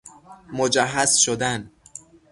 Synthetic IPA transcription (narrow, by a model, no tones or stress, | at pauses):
mod͡ʒæɦːæzʃod̪æn